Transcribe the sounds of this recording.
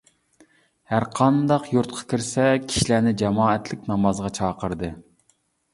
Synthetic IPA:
hæɾqʰɑnd̪ɑqjuɾt̪̚qʰɑ̥kʲʰiɾsɛkʲʰi̥ʃilænɪd͡ʒɛmɑːɛt̪lɪkʲnɑmɑzʁɑt͡ʃʰɑːqəɾd̪ɨ

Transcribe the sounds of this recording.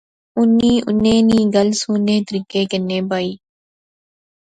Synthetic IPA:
ʊnːiːʔʊ̰nẽːnĩːɡəlsuːnẽːt̪əɾiːkeːkənːeːbaːiː

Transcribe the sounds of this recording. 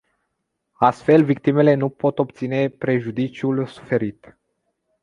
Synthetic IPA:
ast̪fe̞lvik̚t̪ime̞le̞nupo̞t̪o̞p̚t̪sine̞pɾe̞ʒud̪it͡ʃiulsu̥fe̞ɾit̪

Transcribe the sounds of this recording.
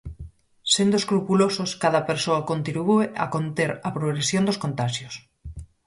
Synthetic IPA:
send̪oeskɾupulososkaðɐpeɾsoɐkont̪ɾiβuea̰kont̪eɾɐpɾoɣɾesjõnd̪oskont̪aʃjos

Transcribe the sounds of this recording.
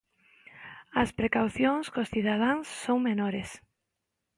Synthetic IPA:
ɐspɾekawθjoŋskosθiðað̞aŋsːoŋmenoɾes

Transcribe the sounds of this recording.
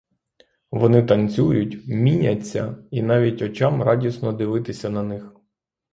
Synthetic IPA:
ʋɔnɪt̪ɐnt͡sʲujʊtʲmʲinʲɐt͡sʲːɐ̰in̪ɑʋʲitʲɔt͡ʃɑmɾɑdʲisnɔd̪ɪʋɪt̪ɪsʲɐnɐnɪx

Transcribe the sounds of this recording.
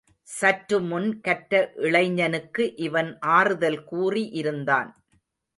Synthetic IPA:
sɐʈɾɯmʊnkɐʈːɐʔɪɭɐɪɲːɐnɯkːɯʔɪʋɐnʔaːrɯðɐlkuːriʔɪɾɯnd̪a̰ːn

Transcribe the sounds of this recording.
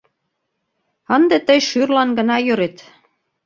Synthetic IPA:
ə̆nd̪et̪əjʃyrlɑnɡə̆nɑjøɾet̪

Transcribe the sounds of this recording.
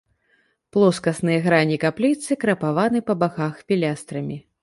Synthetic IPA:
plˠɔskɐsnɨjɐɣɾanʲikaplʲit̪sɨkɾɐpavanɨpɐbaxaxfʲilʲast̪ɾɐmʲi

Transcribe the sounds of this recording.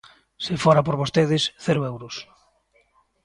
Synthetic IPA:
sefoɾapoɾβost̪eðɪsθeɾʊewɾʊs

